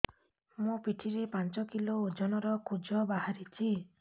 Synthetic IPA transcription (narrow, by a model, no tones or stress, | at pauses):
mupiʈʰiɾepant͡ʃɔkiloːd͡ʒɔnɔɾɔkʰud͡ʒɔbaɦaɾit͡ʃʰi